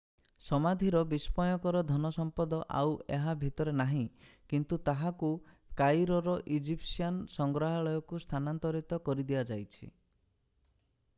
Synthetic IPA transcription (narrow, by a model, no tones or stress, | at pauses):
sɔmad̪ʱiɾɔbispɔjɔkɔɾɔd̪ʱɔnɔsɔmpɔd̪ɔʔa̰weɦabʱit̪ɔɾenaɦĩkint̪ut̪aɦaku | kajɾɔɾɔʔid͡ʒipsiansɔŋɡɾɔɦaɭɔjɔkust̪ʰanant̪ɔɾit̪ɔkɔɾid̪iad͡ʒajt͡ʃʰḭ